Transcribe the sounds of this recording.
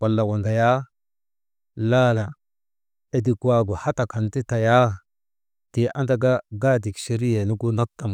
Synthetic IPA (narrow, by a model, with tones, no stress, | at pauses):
wa˨lːa˨wo˨nda˨ja˦ | la˦la˨ | e˨di˨kwa˨ɡu˨ha˦ta˨ka˨nti˦ta˨ja˦ | ti˨ʔa˦nda˦ɡa˦ɡa˦di˨kʃe˦ɾi˦je˨nu˦ɡu˦na˦tːa˨m